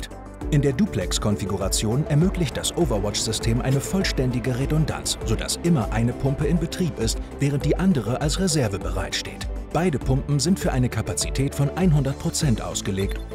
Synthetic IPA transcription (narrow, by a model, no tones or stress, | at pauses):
ʔɪndeːɐduːpʰlɛkskʰɔnfiɡuʁat͡sjoːnɛɐmøːklɪçt̚d̥asʔovɐɐwɔt͡ʃz̥ʏstʰeːmʔa̰ɪnəfɔlʃtɛndɪɡəʁedɔnda̰nt͡sz̥oːda̰sʔɪmɐʔaɪnəpʰʊmpəɪnbətʁ̥iːpɪstv̥ɛːʁ̞ənt̚d̥iːʔandəʁ̞əʔalsʁezɛɐvəbəʁa̰ɪtʃtḛːtb̥aɪdəpʰʊmpm̩zɪntfyːɐʔaɪnəkʰapat͡sitʰɛːtfɔnʔaɪnɦʊndɐt̚pʰʁ̥ot͡sɛntʔa̰ʊsɡ̥əleːkt